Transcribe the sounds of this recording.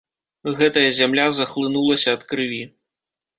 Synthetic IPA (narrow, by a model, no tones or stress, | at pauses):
ɣɛt̪ɐjɐzʲamlʲazɐxlˠɨnulˠɐsʲɐːt̪kɾɨvʲi